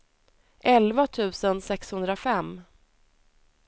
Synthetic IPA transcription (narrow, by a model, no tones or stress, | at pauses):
ʔɛlvat̪ʰʉ̟ːsənsɛkshɵnd̪ɾafɛmː